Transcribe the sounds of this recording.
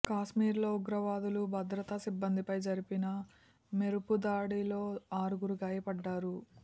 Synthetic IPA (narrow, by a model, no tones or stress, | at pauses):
kaːʃmiːɾlo̞ːuɡɾɐʋaːd̪ulubʱɐd̪ɾɐt̪ɐsibːɐnd̪ipɐjd͡ʒɐɾipinɐ | me̞ɾupud̪aːɽilo̞ːaːɾuɡuɾuɡaːjɐpɐɖːaːɾu